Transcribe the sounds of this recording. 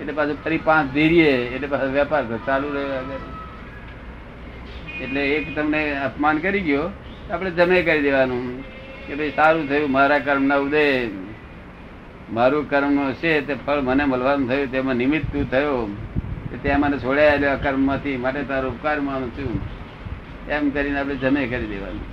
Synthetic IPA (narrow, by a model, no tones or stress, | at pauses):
eʈlepat͡ʃʰopəɾipãt͡ʃd̪ʱiɾijeːʈlepasʋjapaɾt̪t͡ʃalũɾəɦoaɡəɾ | eʈleːkt̪əmneəpmankəɾiɡjo | ap̬ɽ̃ed͡ʒəmekəɾid̪eʋanũ | kebəisaɾũt̪ʰəjũmaɾakəɾmnaʊd̪e | maɾũkəɾmnoʃet̪epʰəɭməneməlʋanũt̪ʰəjũt̪̬emãnɪmɪt̪ːũt̪ʰəjo | ket̪amənet͡ʃʰoɽaeljoakəɾmːãt̪ʰimaʈ̬et̪aɾuʊpkaɾmañũt̪ʰəjũ | emkəɾineap̬ɽed͡ʒəmekəɾid̪ḛʋa̰nṵ̃